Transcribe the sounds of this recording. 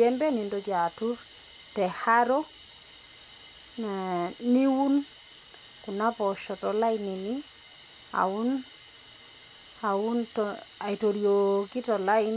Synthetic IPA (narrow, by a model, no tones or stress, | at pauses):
ɛmbɛnindɔd͡ʒatuɾ | tɛhaɾɔ | naniwun | kunapɔʃɔtɔlainini | a̰un | auntɔ | aitoɾjokitɔlaɪn